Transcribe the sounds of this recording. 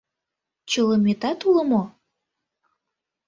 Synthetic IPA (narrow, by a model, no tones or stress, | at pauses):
t͡ɕələmet̪ɑt̪ulə̆mo